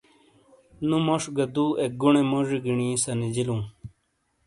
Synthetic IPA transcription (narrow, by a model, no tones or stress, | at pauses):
nũmoʂɡɐd̪uːek̚ɡuɳemoʐiɡiɳĩsɐnid͡ʑilũː